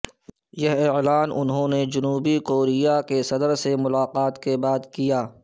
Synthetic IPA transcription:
jɐɦɪlaːnʔʊnɦõːned͡ʒʊnuːbikoːɾijakesɐd̪əɾsemʊlaːqaːt̪kebaːd̪kijaː

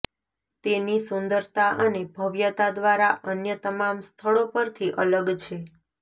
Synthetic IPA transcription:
t̪enisʊnd̪əɾt̪aʔənebʱəʋjət̪ad̪ʋaɾaʔənjət̪əmamst̪ʰəɭopəɾt̪ʰiʔələɡt͡ʃʰe

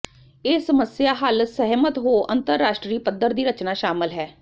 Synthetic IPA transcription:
ɪːsəməsjaːɦəlsəɦmət̪ɦoːʔənt̪əɾːaːʃʈɾiːpəd̪əɾd̪iːɾət͡ʃnaːʃaːmɪlɦɛː

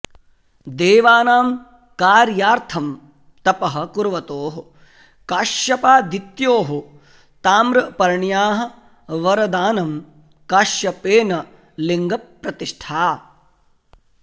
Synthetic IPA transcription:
d̪eːʋaːnaːm | kaːɾjaːɾt̪ʰɐm | t̪ɐpɐɦɐ̆kuɾʋɐt̪oːɦu | kaːʃjɐpaːd̪it̪joːɦu | t̪aːmɾɐpɐɾɳjaːɦɐ̆ | ʋɐɾɐd̪aːnɐm | kaːʃjɐpeːnɐ | liŋɡɐpːɾɐt̪iʂʈʰaː

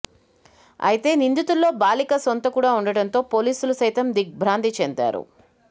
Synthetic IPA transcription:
ɐ̰jit̪e̞ːnind̪ut̪ulːo̞ːbaːlikɐsont̪ɐkuːɽaːuɳɖɐɽɐnt̪o̞ːpo̞ːliːsulusɐjt̪ɐmd̪ik̚bʱɾaːnd̪it͡ʃɛnd̪a̰ːɾṵ

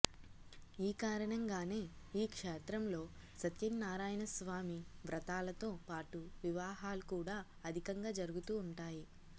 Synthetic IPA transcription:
iːkaːɾɐɳɐŋɡaːne̞ː | iːkʂɛːt̪ɾɐmlo̞ː | sɐt̪jɐnːaːɾaːjɐnɐsʋaːmiʋɾɐt̪aːlɐt̪o̞ːpaːʈuʋiʋaːɦaːlukuːɽaː | ɐd̪ʱikɐŋɡaːd͡ʒɐɾuɡut̪uːɳʈaːji

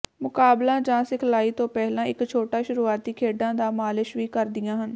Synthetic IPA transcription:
mʊkaːblãːd͡ʒãːsɪkʰlaːiːt̪õːpɛɦlãːɪkt͡ʃʰoːʈaːʃʊɾuːaːt̪iːkʰeːɖãːd̪aːmaːlɪʃʋiːkəɾd̪ɪjãːɦən

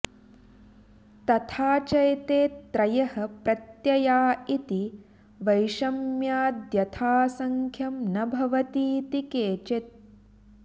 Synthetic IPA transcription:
t̪ɐt̪ʰaːt͡ʃɐjt̪eːt̪ːɾɐjɐɦɐpɾɐt̪jɐjaːit̪i | ʋɐjʃɐmjaːd̪jɐt̪ʰaːsɐŋkʰjɐmnɐbʱɐʋɐt̪iːt̪ikeːt͡ʃet̪̚

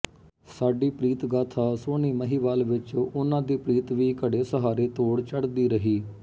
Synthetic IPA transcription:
saːɖiːpɾiːt̪ɡaːt̪ʰaːsoːniːməɦiːʋaːlʋɪt͡ʃːʊnãːd̪iːpɾiːt̪ʋiːkəɽeːsəɦaːɾeːt̪oːɽt͡ʃəɽd̪iːɾəɦiː

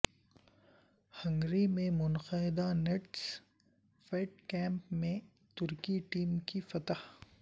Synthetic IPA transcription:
hɐ̃ŋɡɾimẽmʊnqɐɪd̪aneʈs | feːʈkɛ̃ːmpmẽ | t̪ʊɾkiʈiːmkifɐt̪ah

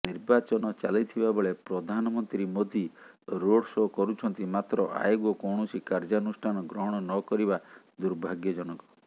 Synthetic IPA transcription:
niɾbat͡ʃɔnɔt͡ʃalit̪ʰibabɔɭepɾɔd̪ʱanɔmɔnt̪ɾimod̪ʱi | ɾoɽsɔkɔɾut͡ʃʰɔnt̪imat̪ɾɔʔa̰joɡɔkɔwɳ̃ɔsikaɾd͡ʒanusʈʰanɔɡɾɔɦɔɽ̃ɔnɔkɔɾiba | d̪uɾbʱaɡjɔd͡ʒɔñɔkɔ̥

